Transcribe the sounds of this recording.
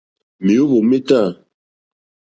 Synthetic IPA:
mi˨o˦βo˨mi˦ta˦˨

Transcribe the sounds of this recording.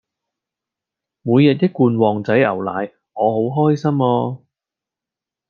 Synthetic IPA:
muː˨˧jːɛ˨t̚jɐ˥kːuː˧nwɔː˨ŋt͡sɐ˨˥jɐ̰˨˩wla̰ː˨˧j | ŋɔː˨˧ɦo˨˥wɦɔː˥jsɐ˥mɔː˧

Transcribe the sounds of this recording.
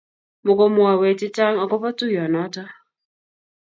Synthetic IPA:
mʊ˨ko˦mʊ˨a˨we˨tɪ˦ta˦ŋɔ˨kɔ˦pɔ˦tu˦jɔ˨nɔ˨˦tɔ˦

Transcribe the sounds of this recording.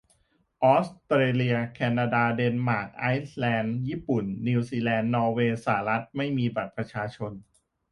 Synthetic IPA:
ʔɔː˦˥st̪ɾeː˧li˧ɐkʰɛː˧naː˧daː˧de˧nmaː˨˩k̚ʔa˦˥jslɛː˧njiː˥˩pu˨˩nːi˧wsiː˧lɛː˧nːɔː˧weː˧saː˩˦ɾa˦˥t̪̚ma˥˩jmiː˧ba˨˩t̪̚pɾa˧t͡ɕʰaː˧t͡ɕʰo˧n

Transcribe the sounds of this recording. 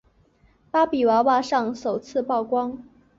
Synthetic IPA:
pa˥pi˨˩wa˧˥wa˥˧ʂɑ˥˩ŋʂo˨˩ʊt͡sʰɹ̩˥˧pɑ˥˩ʊkwɑ˥ŋ

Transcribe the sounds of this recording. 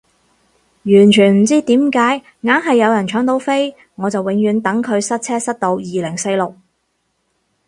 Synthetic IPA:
jyː˨˩nt͡ʃʰyː˨˩nm̩˨˩t͡siː˥t̪iː˨˥mkaː˨˥j | ŋaː˨˥nɦɐ˨jːɐ˨˧wjɐ˨˩nt͡ʃʰœː˨˥ŋt̪o˨˧wfe˥j | ŋɔː˨˧t͡sɐ˨wɪ˨˧ŋjyː˨˧nt̪ɐ˨˥ŋkʰɵ˨˧ɥsɐ˥t̚t͡sʰɛː˥sɐ˥t̚t̪o˧wjiː˨lɪ˨˩ŋse˧jlʊ˨k̚

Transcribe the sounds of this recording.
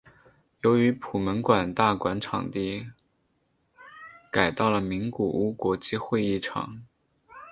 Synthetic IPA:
jo˧˥ʊy˧˥pʰu˨˩mə˧˥nkwa˨˩nt̪a˥˩kwa˧˥nʈ͡ʂʰɑ̰˨˩ŋt̪i˥˩ | ka˨˩ɪt̪ɑ˥˩ʊlə˩mi˧˥ŋku˨˩ʔu˥kwɔ˧˥t͡ɕi˥xwe˥˧ɪi˥˩ʈ͡ʂʰɑ̰˨˩˦ŋ

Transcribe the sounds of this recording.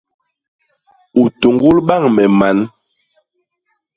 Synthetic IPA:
u˨to˨ŋɡu˦lɓa˦˨ŋmɛ˨ma˨˦n

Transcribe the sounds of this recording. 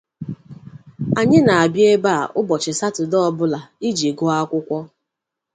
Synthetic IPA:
a˨ɲɪ˦na˨a˨bje˦ba˦˨ʔʊ˦bɔ˨t͡ʃɪ˨sa˦tʊ˨dɔ˦˨bʊ˦la˨i˦d͡ʒi˨ɡʊ˦a˦kʷʊ˦kʷɔ˦

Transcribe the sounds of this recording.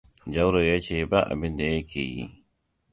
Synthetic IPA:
d͡ʒɐ˦wɾo˨ja˦t͡ʃeː˨ba˦ʔa̰˨bɪ˦nd̪a˨je˦kʲḛː˨jḭ˦

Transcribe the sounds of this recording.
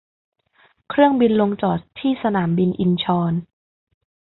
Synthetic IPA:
kʰɾɯ˥˩əŋbi˧nlo˧ŋt͡ɕɔː˨˩t̪ʰːiː˥˩sa˧naː˩˦mbi˧nʔi˧nt͡ɕʰɔː˧n

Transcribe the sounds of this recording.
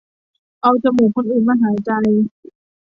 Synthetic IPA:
ʔa˧wt͡ɕa˧muː˨˩kʰo˧nʔɯː˨˩nmaː˧ɦaː˩˦jt͡ɕa˧j

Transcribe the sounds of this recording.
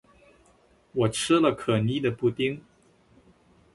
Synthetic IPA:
wɔ˨˩ʈ͡ʂ̩ʰ˥lə˨kʰɤ˨˩ni˥˩d̪ə˨pu˥˧t̪i˥ŋ

